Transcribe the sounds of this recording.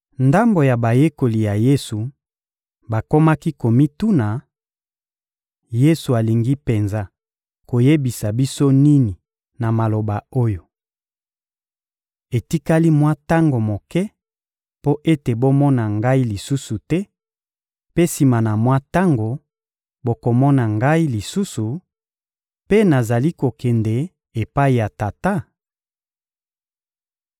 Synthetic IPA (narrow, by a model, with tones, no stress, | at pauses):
nda˦mbo˨ja˨ba˨je˦ko˨li˨ja˨je˦su˨ | ba˨ko˦ma˦ki˦ko˨mi˦tu˦na˨ | je˦su˨a˨li˨ŋɡi˦pe˨nza˦ | ko˨je˦bi˨sa˨bi˦so˦ni˦ni˨ | na˨ma˨lo˨ba˨o˦jo˨ | e˨ti˦ka˦li˦mwa˦ta˦ŋɡo˨mo˨kɛ˦ | po˦ʔe˦te˨bo˦mɔ˦na˨ŋɡa˦i˦li˨su˦su˨tɛ˦ | pe˦si˨ma˨na˨mwa˦ta˦ŋɡo˨ | bo˨˦ko˨mɔ˦na˨ŋɡa˦i˦li˨su˦su˨ | pe˦na˨za˨li˦ko˨kɛ˨ndɛ˨ | e˨pa˦i˨ja˨ta˨ta˦